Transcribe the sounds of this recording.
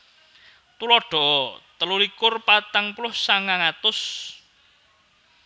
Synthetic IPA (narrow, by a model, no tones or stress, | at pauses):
t̪ulɔɖ̥ɔ̤ʔɔt̪əlulikʊrpat̪aŋpulʊhsaŋaŋat̪ʊs